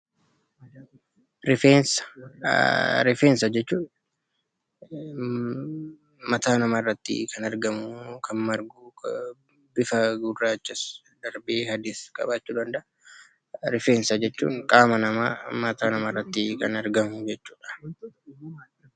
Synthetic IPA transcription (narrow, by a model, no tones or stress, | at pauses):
ɾɪfeːnsɐ̥ | ɾɪfeːnsɐd͡ʒɛt͡ʃːuːᶑ | mɐt̪aːnɐmaːrːɐt̪ːɪ̰kʰɐnɐɾɡɐmʊkʰɐnmɐɾɡuː | bɪfɐɡʊrːaːt͡ʃːɪs | d̪ɐɾbeːhɐd̪ɪskʼɐ̰baːt͡ʃːuːd̪ɐnd̪ɐʔɐ | ɾɪfeːnsɐd͡ʒɛt͡ʃːṵːŋkʼaːmɐnɐma̰ːmɐt̪aːnɐmaːrːɐt̪ːɪkɐnɐɾɡɐmʊd͡ʒɛt͡ʃːuːᶑɐ̥